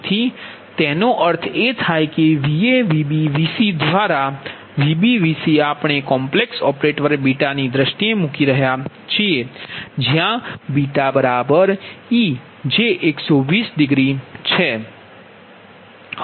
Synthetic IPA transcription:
t̪ʰi | t̪ɛnoʔəɾt̪ʰet̪ʰajkeʋieʋibiʋisid̪ʋaɾa | ʋibiʋisiapɳ̃ekɔ̃mpleksɔpɾeʈʋəɾbiʈanid̪ɾəʃʈiemukiɾəɦja | t͡ʃʰied͡ʒjãbiʈabəɾabəɾi | d͡ʒeʔeksɔʋisɖɪɡɾit͡ʃʰe

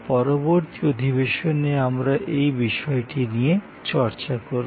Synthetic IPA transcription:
pɔɾoboɾt̪iod̪ʱibeʃoneamɾaʔejbiʃɔeʈinije | t͡ɕɔɾt͡ɕakoɾ

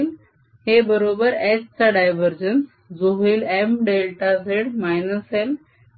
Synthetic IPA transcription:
l | hebəɾobəɾɛst͡saɖajʋəɾd͡ʑəns | d͡zoɦilemɖelʈaseɽmajnəsel

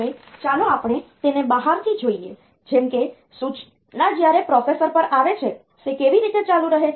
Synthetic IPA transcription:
et͡ʃanõapɳ̃et̪enebəɦaɾt̪ʰid͡ʒoie | d͡ʒemke | sut͡ʃʰ | nad͡ʒjaɾepɾɔfesəɾpəɾʔaʋet͡ʃʰe | ʃekeʋiɾit̪et͡ʃalũɾəɦe

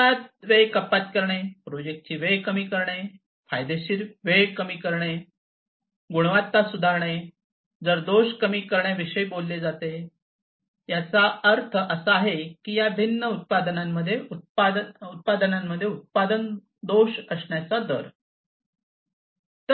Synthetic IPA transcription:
at̪̚ʋejkəpat̪kəɾɳepɾod͡ʑek̚ʈ̚t͡ɕiːʋejkəmiːkəɾɳe | fajd̪eɕiːɾʋejkəmiːkəɾɳ̃e | ɡuɽʋat̪ːasud̪ʱaɾɳ̃e | d͡zəɾd̪oɕkəmiːkəɾɳjaʋiɕəjbolːed͡zat̪e | jat͡saəɾt̪ʰəʔəsəaɦekiːjabʱinːəut̪̚pad̪namːəd̪ʱːjeut̪̚paut̪̚pad̪ənamːəd̪ʱːjeut̪̚pad̪ən | d̪oɕəsɳjat͡sad̪əɾ | t̪ə

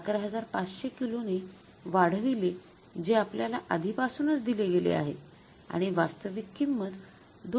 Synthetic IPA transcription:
kɾəɦəd͡zaɾpat͡sɕekilone | ʋaɽ̤ʋile | d͡ʑeapljalaʔad̪ʱipasunət͡sd̪ileɡelḛa̰ɦḛ | a̰ɽ̃iʋast̪əʋikːimːəd̪ | d̪

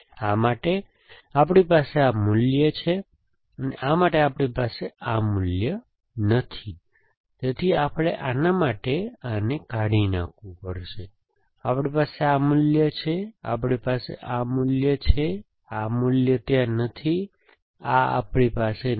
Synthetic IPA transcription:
amaʈe | ap̬ɽ̃ipaseamʊljət͡ʃʰe | ənḛʔamaʈeapɽipaseamʊljə | nət̪ʰi | t̪et̪ʰiapɭeʔanamaʈeanekaɽinã̰kʰʋũpəɾʃe | apɽ̃ipaseamʊljət͡ʃʰea̰pɽ̃ipasḛʔamʊljət͡ʃʰe | amʊljət̪janət̪ʰi | aa̰pɽ̃ipase

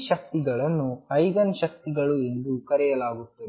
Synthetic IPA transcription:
ʃɐk̚t̪iɡɐɭɐnːuɐjɡɐnʃɐk̚t̪iɡɐɭue̞nd̪ukɐɾɛjɐlaːɡut̪ːɐ

